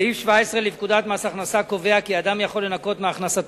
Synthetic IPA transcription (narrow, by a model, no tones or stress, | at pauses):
ifʃvaesʁe̞livkud̪at̪masaχnasako̞ve̞akiad̪amjaχo̞lːe̞nako̞t̪meaχnasat